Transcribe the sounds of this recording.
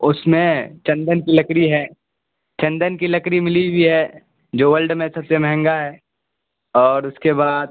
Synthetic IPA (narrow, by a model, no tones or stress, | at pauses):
ʊsmẽt͡ʃɐ̃nd̪ənkilɐkɾiɦɛː | t͡ʃɐ̃nd̪ənkilɐkɾimɪlibʱiɦɛː | d͡ʒoːʋəlɖmẽsɐbsemɛɦɛ̃ŋɡaɦɛː | ɔːɾʊskebaːd̪̚